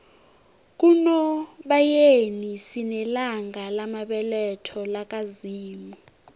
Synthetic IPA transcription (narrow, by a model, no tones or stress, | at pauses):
k̬ʼunɔɓajenisinɛlaŋɡalamaɓɛlɛtʰɔlak̬ʼaziːmu